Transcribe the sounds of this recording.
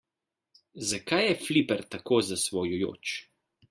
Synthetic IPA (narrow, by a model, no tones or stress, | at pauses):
zakajːɛflipɛɾt̪akoːzasʋɔjujo̰ːt͡ʃ